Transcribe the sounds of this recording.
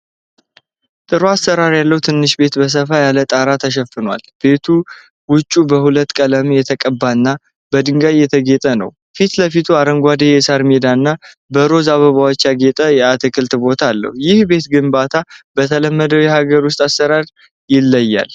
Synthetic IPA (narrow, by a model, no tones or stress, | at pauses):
t̪ʼɨɾuasːəɾaɾjalːəwt̪ʰɨnːɨʃbe̞t̪bəs̬əfajalət̪ʼaɾat̪ʰəʃ̬əfːɨnwa̰lb̥e̞t̪ʰu | wʊt͡ʃʼːubəhulət̪ːkʼələmjɛt̪ʰəkʼəbːanːa | bəd̪ɨŋɡajːɛt̪ʰəɡe̞t̪ʼənə̰w | fit̪ləfit̪ʰuaɾəŋɡʷad̪ejɛsaɾmed̪aɨnːa | bəɾo̞zaβəβawot͡ʃːaɡe̞t̪ʼəjɛat̪ʰɨkʰɨlt̪bo̞t̪ʰalːə̰hujɪhbe̞t̪ɡɨmbat̪ʰab̥ət̪ʰələmːəd̪əwjɛhaɡəɾwʊs̬t̪ʼasːəɾaɾ | jɪlːəjːa̰l